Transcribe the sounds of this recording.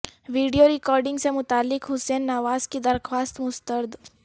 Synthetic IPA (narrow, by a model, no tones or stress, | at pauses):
ʋiːɖijoɾɪkɔːɾɖɪ̃ŋɡsemʊt̪aːlːɪkɦʊseːnːɐʋaːzkid̪ɐɾxwaːst̪mʊst̪əɾd̪